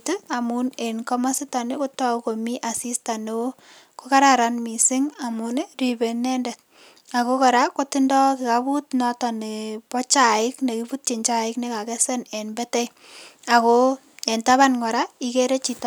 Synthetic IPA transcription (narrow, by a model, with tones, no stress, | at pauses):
tea˨mune˨nkɔ˦ma˦si˦ta˨ne˦ko˦tɔ˦ko˨mi˦ʔa˨si˦sta˨ne | ko˦ka˦ɾaɾanmi˨sɪ˦ŋa˨muneri˨be˨nɛ˦ndɛ˨t̚ | a˨kokɔ˨ɾako˦tɪndɔ˦ki˨kabu˦tnɔtɔ˨ne˨pɔ˦t͡ʃa˨ɪ˦kne˨kipu˦t̚t͡ʃi˨ɲt͡ʃa˦ɪkne˦ka˨kɛsɛ˦ne˨nbɛ˦tɛ˦j | a˨ko | e˨ntaβa˦nŋɔ˨ɾa˦ikeɾe˦t͡ʃitɔ